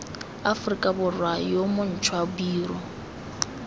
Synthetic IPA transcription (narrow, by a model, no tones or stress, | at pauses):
afrikʼabʊrwajomʊn̩t͡ʃʰwabiːɾɔ